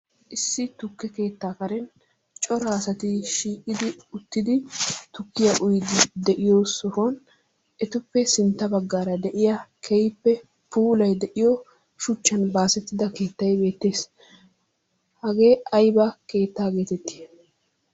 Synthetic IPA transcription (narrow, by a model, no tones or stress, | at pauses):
ʔɪsːɪt̪ʊkːɛke̞ːt̪ːaːkɐɾɛn | t͡ʃʼɔɾaːsɐt̪ɪʃiːkʼːɪd̪ɪʊt̪ːɪd̪ɪt̪ʊkːɪjɐʔʊjd̪ɪd̪ɛʔɪjosɔfɔn | ʔɛt̪ʊpːɛsɪnt̪ːɐbɐɡːaːɾɐd̪ɛʔɪjɐkʰɛjpːɛ | puːlɐjd̪ɛʔɪjɔ | ʃʊt͡ʃːɐnbaːsɛt̪ːɪd̪ɐke̞ːt̪ːɐjbe̞ːt̪ːe̞ːs | hɐɡe̞ːɐjbɐke̞ːt̪ːaːɡe̞ːt̪ɛt̪ːɪ̥